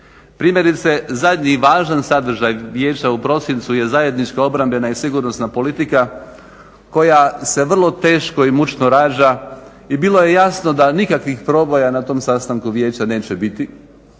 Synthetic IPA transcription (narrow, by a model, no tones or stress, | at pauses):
pɾiːmje̞ɾit̪se̞zad̪ɲiʋaːʒansad̪r̩ʒajʋje̞ːt͡ɕaupɾo̞sint̪suje̞zaje̞d̪nit͡ʃkoo̞bɾambʎe̞naisiɡuɾno̞snapo̞lit̪ika | ko̞jase̞ʋr̩lˠo̞t̪e̞ːʃko̞imut͡ʃnoɾaːd͡ʑa | ibilo̞je̞jasno̞d̪anikakʋixpɾo̞ːbo̞janat̪o̞ːmsast̪aŋkuʋjeːt͡ɕane̞ːt͡ɕebit̪i